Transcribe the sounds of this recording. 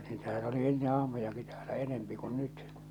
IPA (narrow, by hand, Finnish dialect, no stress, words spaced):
niːtæhæn oli enːe ɑhmojɑki tæːlæ enempi kun nyt